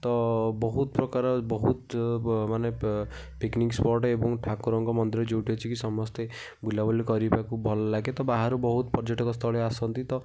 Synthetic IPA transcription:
t̪ɔbɔɦut̪pɾɔkaɾɔbɔɦut̪mane | piknikspɔɾʈebɔŋʈʰakuɾɔŋɡɔmɔnd̪iɾɔd͡ʒewʈʰiɔt͡ʃʰikisɔmɔst̪e | bʱulabɔlikɔɾipakubʱɔlɔlaɡet̪ɔbaɦaɾubɔɦut̪pɔɾd͡ʒɔʈɔkɔst̪ʰɔɭeasɔnt̪it̪ɔ

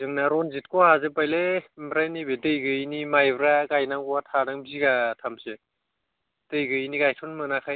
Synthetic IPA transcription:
zɯŋnaɾɔnzit̚kɔazepajlembɾajnibedɯjɡɯjnimajbɾaɡajnaŋɡɔatʰanaŋbziɡatʰamse | d̥ɯjɡɯniɡajtʰɔnmɯnakʰaj

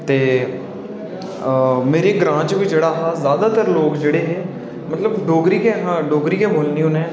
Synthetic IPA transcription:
t̪eː | meːɾeːɡɾãːt͡ʃʋiːd͡ʒeːɽaːɦaːzjaːd̪aːt̪əɾloːkd͡ʒeːɽeːɦeː | mət̪ləbɖoːɡɾiːkeːɦãːɖoːɡɾiːkeːboːlniːɦʊneː

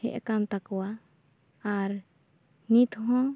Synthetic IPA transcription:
ɛ̰ʔkamt̪akɔwaː | ɾ | nit̪ʰɦɔ̃

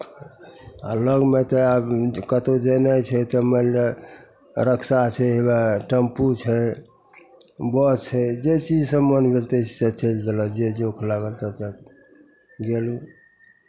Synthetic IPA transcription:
a̰ləɡmet̪ɔabkət̪od͡ʒənat͡ʃʰɛt̪ɔməle | ɾəkʰsat͡ʃʰɛebaʈəmput͡ʃʰɛ | bət͡ʃʰɛd͡ʒet͡ʃid͡ʒsəmənbʱelt̪e̥set͡ʃəld̪elɔd͡ʒed͡ʒokʰlaɡəlt̪ət̪ək | ɡelu

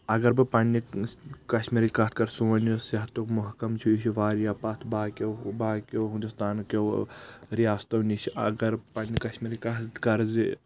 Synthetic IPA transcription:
ɐɡɐɾbɨpɐnikɐʃmiɾʲkɐt̪̚kɐɾsuːɐnjosɐɦt̪okmuɦkɐmt͡ʃʰiiʃʰiʋaːɾjaːpat̪ʰbaːkʲewbaːkoɦũnd̪ust̪aːnkʲowɾijaːst̪ɐʋnit͡ʃʰiʔɐ̰ɡɐɾpɐnːikɐʃmiɾʲkɐt̪kɐɾzi

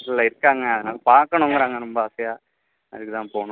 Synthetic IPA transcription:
slɐɪɾɯkːaːŋɡɐɐðɐnaːlɐpaːɾkːɐɳoŋɡɐɾaːŋɡɐɾɔmbɐaːsɐjaː | ɐ̰ðɯkːɯt̪ãːnpoːɳũ

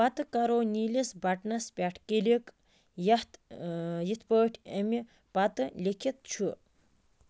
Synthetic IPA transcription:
pɐt̪ɨkaɾoːniːlisbɐʈnɐspʲaʈʰkelik | jɐht̪jit̪ʰpəːʈʰɐmi | pɐt̪ɨlʲekʰit̪̚t͡ʃʰu

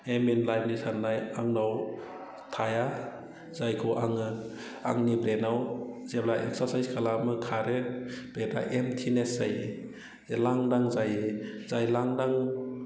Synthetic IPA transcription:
eminlajp̚nisʰanːajaŋnaw | tʰaja | zajkʰɯwʔaŋɯ | a̰ŋnibɾenawzeblaʔḛk̚saɾsajskʰalamɯkʰaɾeb̥ɾeda̰ʔemtʰinesaj | laŋdaŋzajzajlaŋdaŋ

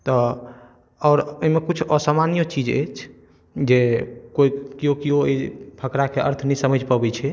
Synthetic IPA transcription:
t̪ɔ | ɔːɾoimekut͡ʃʰɔsamanijot͡ʃid͡ʒḛt͡ʃʰ | d͡ʒekoikiokioebʱəkɾakeʔə̰ɾt̪ʰnisəməd͡ʒpəbɛt͡ʃʰɛ

